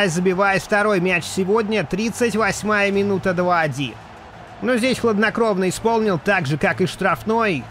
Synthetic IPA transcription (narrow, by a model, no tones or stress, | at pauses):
zəbʲɪvajɪt̪ft̪ɐɾo̞jmʲæt͡ɕsʲɪvodʲnʲət̪ɾʲit̪sətʲvɐsʲmajəmʲɪnut̪əd̪vaɐdʲḭn | nozʲdʲesʲxlˠəd̪nɐkɾo̞vnəɪspo̞lˠnʲɪlˠt̪aɡʐɨkakɨʂt̪ɾɐfno̞j